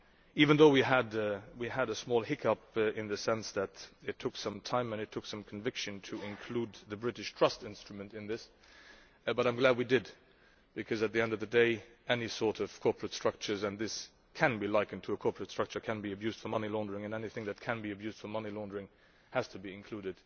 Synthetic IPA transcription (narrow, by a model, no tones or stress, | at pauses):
ivɨ̃nðoʊwiədwiəɾəsmɔlˠhɪkʰʌpɪ̃nðɨsɛ̃nsðɨɾɨtʰʊksʌ̃mtʰãɪ̃mɨ̃nɨtʰʊksʌ̃mkʰɱvɪkʃɨ̃ntʰɨɪ̃nkʰl̥ud̪̚ðɨbɹɪɾɨʃtʰɹ̥ʌstɪ̃nstɹ̥ɨmɨ̃ntɨ̃nðɪs | bʌɾãɪ̃mɡlæd̚widɪd̚ | b̥ɨkʰʌzɨt̪̚ðiɛ̃ndʌvðɨdeɪ | ɛnisɔɹɾʌv̥kʰɔɹpɹɨtstɹ̥ʌk̚t͡ʃə˞zɨ̃nðɪs | kʰɨ̃nbilaɪkɨ̃n̩tʰɨːkʰɔɹpʰɹɨtstɹ̥ʌk̚t͡ʃə˞kʰɨ̃nbiɨbjʉzd̥fə˞mʌnilɔ̃ndə˞ɪ̃ŋɨ̃nɛniθɪ̃ŋðɨt̚kʰɨ̃nbiɨbjʉzd̥fə˞mʌnilɔ̃ndə˞ɪ̃ŋ | hɨz̥tʰɨbiɨ̃nkʰl̥ʉɾɨd̥